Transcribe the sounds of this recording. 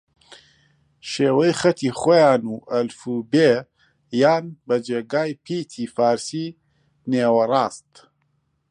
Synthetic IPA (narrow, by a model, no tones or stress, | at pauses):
ʃeːwɐjxɐt̪ʰiːχoːjaːnuːʔɐlfube | jaːnbɐd͡ʒeːɡaːjpʰiːt̪ʰiːfaːɾsiː | neːwɐraːst̪